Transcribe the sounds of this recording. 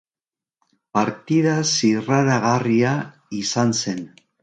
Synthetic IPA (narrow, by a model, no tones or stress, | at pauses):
paɾt̪ið̞asiraɾaɣaria | isanse̞n